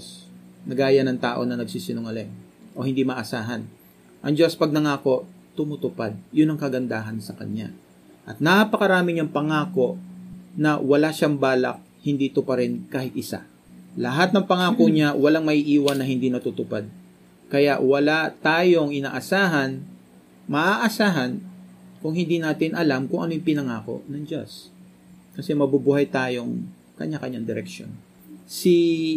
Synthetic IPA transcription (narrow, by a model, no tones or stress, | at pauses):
snɐɡaːjɐnɐŋt̪aːʔo̞̰nɐnɐɡ̚siːsɪnʊŋɐlɛŋʔo̞hɪnd̪imɐʔɐsaːɦɐn | ʔɐŋd͡ʒo̞spɐɡ̚nɐŋaːko̞ʔ | t̪ʊmʊt̪ʊpad̪̚jʊnːɐŋkɐɡɐnd̪aːɦɐnsɐkɐ̰ɲa̰ | ʔɐt̪̚napɐkɐɾaːmɪɲɐŋpɐŋaːko̞ʔnɐwɐlaʃaŋbaːlɐ̰k̚hɪnd̪it̪ʊpɐɾɛnkaːhɪt̪ʔɪsa̰ | lɐɦat̪̚nɐŋpɐŋaːko̞ɲawɐlaŋmɐʔiːʔiːwɐnːɐhɪnd̪inɐt̪ut̪ʊpad̪̚ | kɐja̰ʔwɐlat̪aːjo̞ŋʔɪna̰ːʔɐsaːɦɐn | mɐʔaʔɐsaːɦɐnkʊŋhɪnd̪inaːt̪ɪnʔɐlamkʊŋʔɐnojɛŋpɪnɐŋaːko̞̰ʔnɐŋd͡ʒo̰s | kɐsɛmɐbubuhɐjt̪aːjo̞ŋ | kɐ̰ɲːakɐɲaŋd̪ɪɾɛkʃo̰n | si